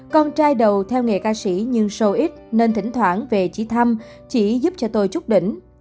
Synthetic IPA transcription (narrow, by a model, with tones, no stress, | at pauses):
kɔ˧nt͡ɕaː˧jɗə˨˩wt̪ʰɛ˧wŋḛ˨˩kaː˧si˧˥ɲɨ˧ŋsə˧wʔi˦˥t̚ne˧nt̪ï˧˩˦ŋ̟t̪ʰwaː˧˥nve˨˩t͡ɕi˧˦t̪ʰa˧m | t͡ɕi˧˩˦zu˦˥p̚t͡ɕɔ˧t̪o˧jt͡ɕʊ˦˥k͡p̚ɗḭ̈˧˨ŋ̟